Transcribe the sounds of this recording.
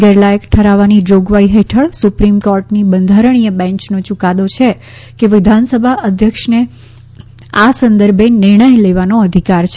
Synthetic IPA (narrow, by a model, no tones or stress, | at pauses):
ɡɛɾlajəkʈʰəɾaʋanid͡ʒoɡʋaiɦeʈʰəɭsupɾimkoɾʈnibənd̪ʱaɾəɳ̃ijəbɛ̃ɲt͡ʃnot͡ʃukad̪ot͡ʃʰe | keʋɪd̪ʱansəbʱaʔəd̪ʱjəkʃne | asənd̪əɾbʱenɪɾɳ̃əjleʋanoəd̪ʱikaɾt͡ʃʰ